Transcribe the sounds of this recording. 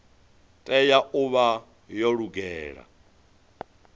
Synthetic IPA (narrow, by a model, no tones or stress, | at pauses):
tʼɛjaʔuβa | jɔɺuɡɛːɺa̰